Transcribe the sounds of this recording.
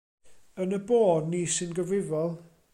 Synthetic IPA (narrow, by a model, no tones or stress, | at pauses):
ənəboːdniːsɪnɡəvrɪvɔlˠ